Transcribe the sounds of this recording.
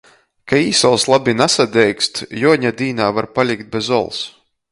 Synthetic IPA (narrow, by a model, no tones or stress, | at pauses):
kaiːsɔlˠslˠabʲinasad̪ʲɛjkst̪jɔɔɲad̪iːnaːvaɾpalʲikt̪̚bʲezɔ̰lˠs